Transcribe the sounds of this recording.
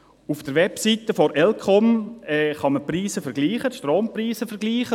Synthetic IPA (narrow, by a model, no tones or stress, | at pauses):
ufd̥əɾʋɛpsit̪əfɔɾʔɛlkʰɔmɛːχɑməpriːsəfəɾɡliːχətʃtroːmpriːsəfɛɾɡliːχə